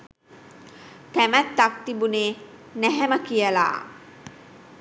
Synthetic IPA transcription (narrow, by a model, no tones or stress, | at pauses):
t̪æmæt̪ːak̚t̪ibuneː | næɦæməkijəla̰ː